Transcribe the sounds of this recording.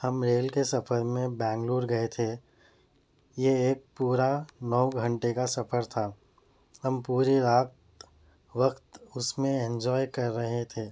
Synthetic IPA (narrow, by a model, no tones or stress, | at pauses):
hɐmɾeːlkesɐfəɾmẽbɛ̃ːŋɡluːɾɡɐet̪ʰeː | jeeːk̚puːɾanɔːɡʱɐ̃ɳʈekasɐfəɾt̪ʰaː | ɦɐmpuːɾiɾaːt̪ | ʋɐkt̪ʊsmẽɛ̃nd͡ʒɔːjkɐɾːɐɦet̪ʰeː